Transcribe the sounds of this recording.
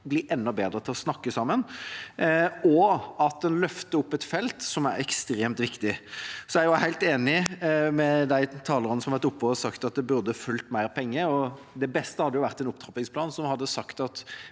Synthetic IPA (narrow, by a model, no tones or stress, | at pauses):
blɪʔɛnːɔbeːd̪ɾət̪ʰɪlɔsnɑkːəsɑmːən | ɔɑt̪̚d̪ɛnlœft̪əʊpːɛt̪fɛlt̪sɔmæɾɛkst̪ɾeːmt̪ʋɪkt̪ɪsɔæɾjʊhæɪlt̪eːnɪmɛd̪æɪt̪ʰɑːləʁɑnəsɔmɑʋæʁt̪ʊpːɔɔsɑkt̪ɑt̪̚d̪ɛbʉʁd̪əfʉlt̪mæɪɾpʰɛŋːəɔ | d̪ɛbɛst̪əhɑd̪ːəjʊʋæʁt̪ɛnʊpt̪ʰʁɑpɪŋspʰlɑːnsɔmhɑd̪ːəsɑkt̪ɑt̪